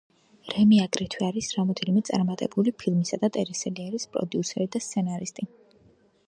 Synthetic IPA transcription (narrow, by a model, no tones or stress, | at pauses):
ɾɛmiaɡɾit̪ʰwiaɾisɾamɔd̪ɛnimɛt̪sʼa̰ɾmat̪ʼɛbulipʰilˠmisad̪at̪ʼɛɾisɛliaɾispʼɾɔ̰d̪iusɛɾid̪ast̪sʰɛnaɾist̪ʼi